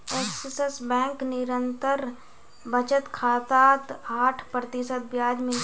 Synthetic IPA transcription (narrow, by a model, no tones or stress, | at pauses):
eːkssəsbɛ̃ːŋknɪɾə̃nt̪əɾ | bət͡ʃət̪kʰaːt̪aːt̪aːʈʰpɾət̪ɪsət̪̚bjaːd͡ʒmẽ